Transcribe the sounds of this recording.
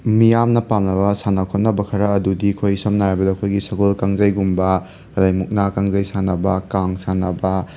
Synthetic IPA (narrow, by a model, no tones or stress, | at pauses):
mijamnɐpamnɐbɐsanɐkʰot̚nɐbɐkʰɐɾɐːdudikʰojsɐmnaajbɐdɐːkʰojɡisɐɡolkaŋzɐjɡumbɐ | ɐlajmuk̚nakaŋzɐjsanɐbɐkaŋsanɐbɐ